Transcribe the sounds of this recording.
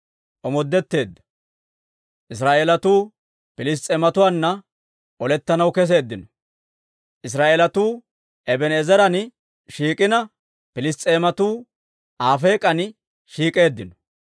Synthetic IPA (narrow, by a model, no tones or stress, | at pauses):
ʔɔmɔd̪ːɛt̪ːe̞ːd̪ːɐ̥ | ʔɪs̬ɾaːʔelɐt̪uː | pɪlɪs̬t̪ʼːeːmɐt̪ʊwaːnːɐ | ʔɔlɛt̪ːɐnɐwkɛs̬eːd̪ːɪnɔ | ʔɪs̬ɾaːʔelɐt̪uː | ʔɛbɛneːzɛɾɐn | ʃiːkʼɪnɐ | pɪlɪst̪ʼeːmɐt̪uː | ʔaːfeːkʼɐn | ʃiːkʼe̞ːd̪ːɪnɔ̥